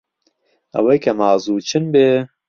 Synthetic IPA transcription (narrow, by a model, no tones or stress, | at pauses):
ɐ̰wejkʰɐmɑːzuːt͡ʃʰɨnbeː